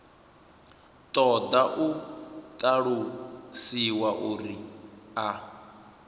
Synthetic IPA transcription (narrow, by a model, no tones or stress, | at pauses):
t̪ʼɔd̪aʔut̪ʼaɺusiwaʔuɾia